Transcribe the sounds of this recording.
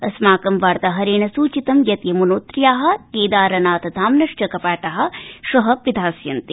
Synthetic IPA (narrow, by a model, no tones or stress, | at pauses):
ɐsmaːkɐmʋaːɾt̪ɐɦɐɾeːɳɐsuːt͡ʃit̪ɐmjɐt̪jɐmunoːt̪ɾjaːɦɐ̆k̪eːd̪aːɾɐnaːt̪ɐd̪ʱaːmnɐʂt͡ʃɐkɐpaːʈɐɦɐ̆ʃɐɦɐ̆pid̪ʱaːsjɐnt̪i